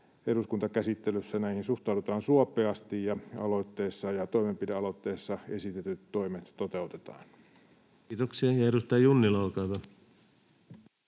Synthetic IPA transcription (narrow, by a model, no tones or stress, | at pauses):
eɾuskunt̪ɑkæsit̪ːelysːænæihinsuht̪ɑˑudut̪ɑːnsuɑpˑeɑst̪ijjɑɑ̰lo̞jt̪ːeːsːɑjɑt̪o̞jmempideɑlo̞t̪ːeːsːɑe̞sit̪et̪yt̪ːo̞imet̪t̪ot̪e̞ut̪et̪ɑ̰ːnː | t̪oksiɑjɑeɾust̪ɑjjunːilɑlkɑːt̪ɑ